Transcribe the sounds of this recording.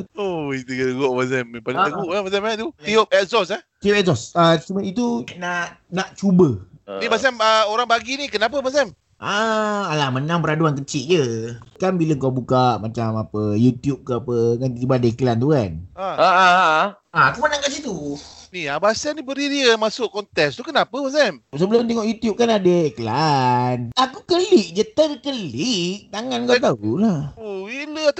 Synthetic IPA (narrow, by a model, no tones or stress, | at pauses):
oit̪ukət̪əɡɔʔbas̬ɛmpaliəɡuʔkabasamat̪ut̪iɔpɛt̚zɔsat̪iɔpɛsɔsəsuməit̪unaʔnaʔt͡ʃubənibas̬ɛməoɾaŋbaɡinikənap̬əbas̬ɛm | ʔaalahmənãŋpəɾaduankət͡ʃiʔ̪̚d͡ʒəkanbiləŋkawbukaʔmat͡ʃamapəjut̪jup̚kəapəkant̪əɾibaadəikəlant̪uanaaa | akumənãŋkasit̪uniabasanibəɾiɾiəmasʊʔkɔnt̪ɛkst̪ukənapəmas̬ɛmsəbəlʊmt̪ɛŋɔʔjut̪jup̚kanadəikəlanakukəliʔ̚d͡ʒət̪ərkəliʔ̚t̪aŋanŋkat̪̬aulahoilə